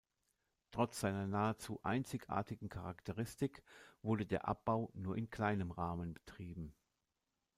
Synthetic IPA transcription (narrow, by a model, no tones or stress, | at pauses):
tʁ̥ɔt͡sz̥aɪnɐnaːət͡suːʔa̰ɪnt͡sɪçʔa̰ːɐtɪɡŋ̩kʰaʁaktʰəʁɪstɪkv̥ʊɐdədeːɐʔa̰p̚b̥aʊnuːɐʔɪnkʰl̥aɪnəmʁaːmənbətʁ̥iːbm̩